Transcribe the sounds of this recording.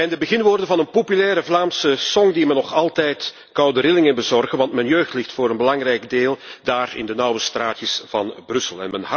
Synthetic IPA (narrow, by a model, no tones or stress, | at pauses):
ɛndəbəɣɪnʋoːrdənvɑnənpopylɛːɾəvlaːmsəsɔŋdimɛnːɔxɑlˠtɛjt | kɑwdəɾɪlɪŋənbəzɔrɣənʋɑntmɛnjøːxtlɪxtfʊːɾənbəlɑŋrɛjɡdeːlˠd̥aːrɪ̰ndənɑwəstraːtjəsv̥ɑnbrɵsəlˠɛ̰nmɛnɦɑ